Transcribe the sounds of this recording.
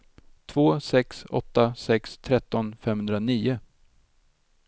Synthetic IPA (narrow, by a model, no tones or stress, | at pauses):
t̪ʰv̥oːsɛksɔ̰t̪ːasɛkst̪ʰɾɛt̪ːɔnfɛmhɵnd̪ɾaniːʊ